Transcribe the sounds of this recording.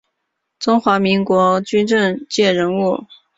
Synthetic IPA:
t͡sʊ˥ŋxwa˧˥mi˧˥ŋkwɔ˧˥t͡ɕy˥nʈ͡ʂə˥˧ŋt͡ɕjɛ˥˩ɻə˧˥nu˥˩

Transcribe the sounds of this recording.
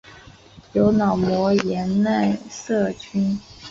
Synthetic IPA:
jo˧˥ʊnɑ˨˩ʊmwɔ˧˥jɛ˧˥nna˥˧ɪsɤ˥˩t͡ɕʰy˥n

